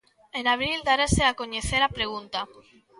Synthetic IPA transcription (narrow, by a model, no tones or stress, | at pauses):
enaβ̞ɾild̪aɾaseakoɲeθeɾapɾeɣ̞unt̪a